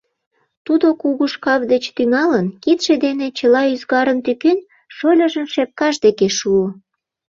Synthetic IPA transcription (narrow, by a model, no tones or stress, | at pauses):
t̪ud̪okuɣuʃkɑvd̪et͡ɕt̪yŋɑlənkit̪ʃed̪enet͡ɕəlɑyzɣɑɾənt̪ykyn | ʃolʲəʒəmʃep̚kɑʃd̪ekeʃuo